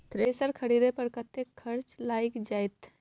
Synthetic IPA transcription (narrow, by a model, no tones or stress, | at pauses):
t̪ɾeːsəɾkʰɐɽid̪epəɾkɐt̪ːekʰːɐɾt͡ʃlaːikd͡ʒaːjt̪